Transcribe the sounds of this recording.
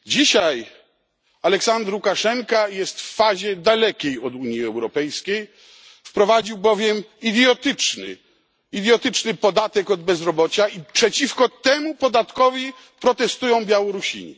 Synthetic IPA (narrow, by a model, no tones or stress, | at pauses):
d͡ʑiɕaj | alɛksand̪ɾukaʂɛŋkajɛst̪fːaʑɛd̪alɛkʲejɔd̪uɲjiɛwɾɔpɛjskʲej | fpɾɔvad͡ʑiwbɔvʲjɛmid̪jɔt̪ɘt͡ʂnɘ̰ | id̪ʲjɔt̪ɘt͡ʂnɘpɔd̪at̪ɛkɔd̪̚bɛzɾɔbɔt͡ɕaipʂɛt͡ɕifkɔt̪ɛmupɔd̪at̪kɔvʲi | pɾɔt̪ɛst̪ujɔ̃w̃bʲjawɔɾuɕḭɲḭ